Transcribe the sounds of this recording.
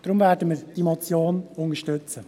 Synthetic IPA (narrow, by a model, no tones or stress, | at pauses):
d̥ɾʊmvɛːɾdəməɾd̥imɔt͡sjoːnʊŋəʃtøt͡sə